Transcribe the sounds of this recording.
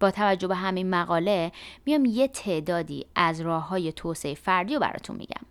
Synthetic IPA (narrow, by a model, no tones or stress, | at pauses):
b̥ɒːt̪ʰævæd͡ʒːo̞be̞ɦæminmæɣɒːle̞mijɒmje̞t̪ʰe̞ʔd̪ɒːd̪ḭːʔæzɾɒːhɦːɒːje̞t̪ʰoːseefæɾd̪iːjobæ̰ɾɒ̰ːt̪ʰṵnmḭɟæ̰m